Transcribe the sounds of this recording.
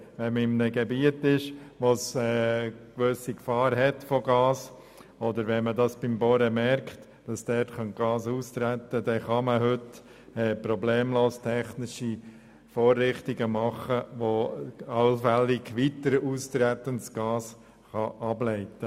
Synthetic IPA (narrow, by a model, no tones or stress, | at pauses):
ʋɛnmɪmnəɡɛbiətɪʃʋosɛkʋøsikfɑːɾɦɛtfɔɡɑːs | ɔdəɾʋɛnmədɑsb̥ɪmboɾəmɛɾkχt | d̥ɑsd̥ɛrtχœnt̚ɡ̥ɑːsuːstɾæt̪ːədɛχɑməɦʏt | ɛːpɾɔbleːmloːstʰɛχnɪʃi | foːrːɪχtiɡəmɑχəʋoɑlfɛlɪɡʋitəɾuːstɾæt̪əntsɡ̥ɑːs | χɑʔɑblɛɪtə